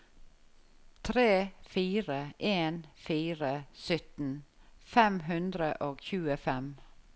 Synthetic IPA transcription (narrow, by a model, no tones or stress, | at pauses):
t̪ʰɾeːfiːɾəʔeːnfiːɾəsʏt̪n̩fɛmɦʉnd̪ɾəʔoːɡçʉːəfɛm